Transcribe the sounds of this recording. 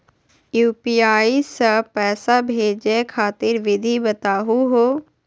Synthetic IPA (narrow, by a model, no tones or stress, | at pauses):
juːpiːaːisəpɛːsaːbʱeːd͡ʒekʰaːt̪ɪɾʋɪd̪ʱiːbət̪aːɦuːɦoː